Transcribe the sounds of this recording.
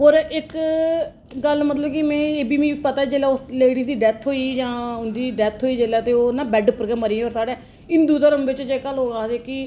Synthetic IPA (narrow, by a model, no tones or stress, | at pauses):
ɦoːɾɪk | ɡəlmət̪ləbkɪmɛ̃ːeːbiːmĩːpət̪aːɛd͡ʒeːlɛːʊsleːɽiːsd̪iːɖɛːt̪ʰɦoːiːd͡ʒãːʊnd̪iːɖɛːt̪ʰɦoːiːd͡ʒeːlɛːt̪eːoːnãːbɛɖpəɾkɛːmːəɾiːoːɾsaːɽɛː | ɪnd̪uːt̪əːɾəmʋɪt͡ʃd͡ʒekəlɦoːɡaːeːkɪ